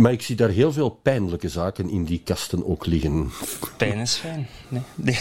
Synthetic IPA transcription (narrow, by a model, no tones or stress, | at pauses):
maːɹɪksidaːrɦeːlˠveːlˠpɛjnləkəzaːkənɪ̰ndikɑstəno̰ːklɪɣənpɛjnəsfɛjnned